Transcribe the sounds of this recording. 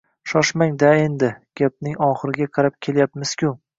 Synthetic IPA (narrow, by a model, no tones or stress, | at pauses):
ʃɒʃmaŋd̪ae̞nd̪ɪɡ̥ʲap̚nɪŋɒχɨɾɪɡʲaqʰɑɾap̚kʲʰe̞ljapmɪz̥kʲʰʊ